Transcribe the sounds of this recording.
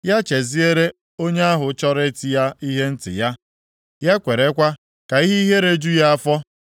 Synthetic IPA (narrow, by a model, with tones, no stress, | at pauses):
ja˦t͡ʃe˨zi˦e˦ɾe˦ | o˦ɲe˦a˦ɦʊ˨˦t͡ʃɔ˦ɾe˦ti˨ja˦i˦ɦe˦n̩˦tɪ̰˨ja˦ | ja˦kʷe˨ɾe˦kʷa˦ | ka˨i˦ɦe˦i˦ɦe˦ɾe˦d͡ʒu˦ja˦a˦fɔ˦